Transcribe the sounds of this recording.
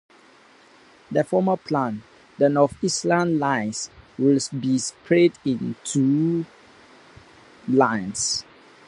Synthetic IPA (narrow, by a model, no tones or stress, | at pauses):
dəfɔməpʰlãn | dənɔfislãnlãɪswilsbispʰɹɛdĩntʰu | lãɪns